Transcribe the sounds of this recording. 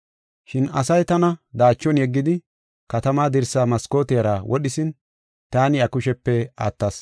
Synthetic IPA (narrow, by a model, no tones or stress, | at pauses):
ʃɪnɐ̰sɐjt̪ɐnɐd̪aːt͡ʃːɔnjɛɡːɪd̪ɪ | kɐt̪ɐmaːd̪ɪɾsaːmɐsko̞ːt̪ɛjɐɾawʔɔɗɪsɪn | t̪aːnɪɐkʊʃɛpːɛa̰ːt̪ːɐs